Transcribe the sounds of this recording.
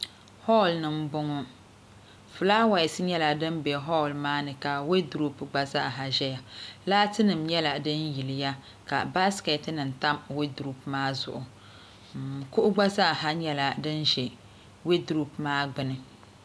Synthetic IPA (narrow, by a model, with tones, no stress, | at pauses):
hɔ˦˨lnɨ˨m˦bʊ˦ŋɔ˦ | fɨ˨laː˦wa˨jɪ˨sɨ˦ɲɛ˦la˨dɨ˦mbɛ˨ɦɔ˦˨lmaː˦nɨ˨ka˨we˦du˨ɾu˦pɡ͡ba˨za˦ʔɦa˨ʒɛ˦ja˨laː˦tɨ˦nɨ˨mɲɛ˦la˨dɨ˦nji˨lɪ˨ja˦ | ka̰˨ba˦skɛ˨tnɨ˨n̩˨ta˦mwe˦du˨ɾu˦pmaː˦zʊ̰˨ʔʊ˨ | m˨kʊ˦ʔʊ˦ɡ͡ba˦za˦ʔɦa˦ɲɛ˦la˨dɨ˦nʒɛ˨ | we˦du˨ɾu˨pmaː˦ɡ͡bɨ˦nɨ˨